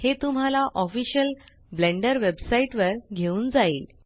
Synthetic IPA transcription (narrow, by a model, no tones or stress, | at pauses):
het̪um̤alaʔɔfiɕəl | blẽɳɖəɾʋebsaiʈʋəɾɡʱeuːnd͡zaiːl